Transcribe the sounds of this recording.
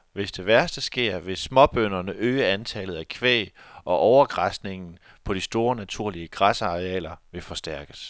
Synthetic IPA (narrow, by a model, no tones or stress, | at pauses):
ʋe̝sd̥e̝ʋæɐsd̥əsɡ̥e̝ɐ̰ʋe̝sːmɒ̽b̥ønɐnəʔøːəænt͡sʰɛlð̞̩ˠækʰʋḛːʔɒ̽ʔɒʊɐɡ̥ʁɑsd̥ne̝ŋn̩ | pʰɒ̽ɾ̥isd̥o̝ːɐnæt͡sʰuɐ̰liəɡ̥ʁasɑ̈ʁeɛ̰ːlɐʋe̝fɒ̽sd̥æɐɡ̥əs